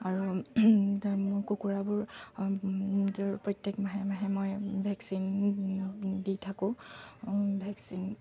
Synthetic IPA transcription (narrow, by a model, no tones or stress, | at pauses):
aɹu | mkokuɹabʊɹ | toɹpɹɔtjɛkmaɦɛmaɦɛmɔjbʱɛksin | ditʰakʊ̃ | bʱɛksin